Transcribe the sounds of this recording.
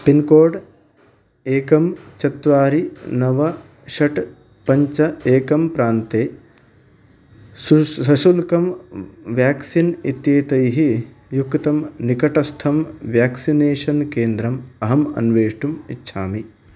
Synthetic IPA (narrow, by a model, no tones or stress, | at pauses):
pinkoːɖ | eːkɐmt͡ʃɐt̪ʋaːɾinɐʋɐ | ʃɐʈ | pɐɲt͡ʃɐeːkɐmpɾaːnt̪eː | susɐʃulkɐmʋjaːksinit̪jeːt̪ɐjɦi | jukt̪ɐmnikɐʈɐst̪ʰɐmʋjaːksineːʃɐnkeːnd̪ɾɐmɐɦɐmɐ̰nʋeːʂʈumitːʃʰaːmi